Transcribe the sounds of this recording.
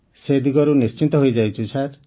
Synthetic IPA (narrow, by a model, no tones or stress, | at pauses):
sed̪iɡɔɾunist͡ʃint̪ɔɦojd͡ʒajt͡ʃʰut͡ʃʰaɾ